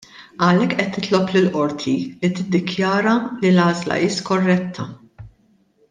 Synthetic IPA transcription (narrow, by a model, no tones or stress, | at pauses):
ɐlɛkːʔɛt̪ːɪt̪lɔplɪlʔɔɾt̪ʰilit̪ɪd̪ːɪkjɐːɾɐlilɐːzlɐ̰ʔɪːskɔrːɛt̪ʰːɐ